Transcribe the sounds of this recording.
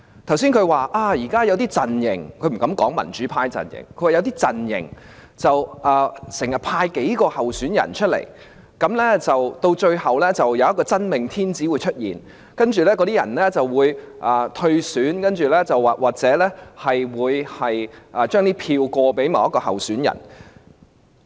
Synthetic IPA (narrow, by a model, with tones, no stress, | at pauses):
t̪ʰɐ˨˩wsi˥nkʰɵ˨˧ɥwaː˨˩ʔaː˧˩jiː˨˩kaː˥jɐ˨˧wt̪iː˥t͡sɐ˨njɪ̰˨˩ŋkʰɵ˨˧ɥm̩˨˩kɐ˨˥mkɔ̰ː˨˥ŋmɐ̰˨˩nt͡ʃyː˨˥pʰaː˧jt͡sɐ̰˨njɪ̰˨˩ŋkʰɵ˧˥waː˨˧jɐ˨˧wt̪iː˥t͡sɐ˨˩njɪ̰˨˩ŋ | t͡sɐ˨wʔɐː˨˩sɪ˨˩ŋjɐ˨˩t̚pʰaː˧jke˨˥jkɔː˧hɐ˨wsyː˨˥njɐ̰˨˩nt͡ʃʰɵ˥t̚lḛ˨˩j | kɐ˨˥mlɛː˥t͡sɐ˨wt̪o˧wt͡ʃɵ˧ɥhɐ˨wlɛː˥t͡sɐ˨˩wjɐ˨wjɐ˥tkɔː˧t͡sɐ˥nmɪ˨ŋt̪ʰiː˥nt͡siː˨˥wuː˨˧jt͡ʃʰɵ˥t̚jḭː˨n | kɐ˥nt͡ʃyː˨lɛː˥kɔ˧t̪iː˥jɐ̰˨˩nlɛː˥t͡sɐ˨wwuː˨˧j | ʔaː˨t̪ʰɵ˧ɥsyː˨˥nkɐ˥nt͡ʃyː˨˩lɛː˥t͡sɐ˨wːaː˨˩waː˨k̚t͡sɛː˨˥lɛː˥hɐ˨jwuː˨˧jhɐ˨jʔɐː˨t͡ʃœː˥ŋniː˥pʰiː˧wkɔː˧pe˨˥jma̰˨wjɐ˥kːɔː˧ɦɐ˨˩wsyː˨˥njɐ̰˨˩n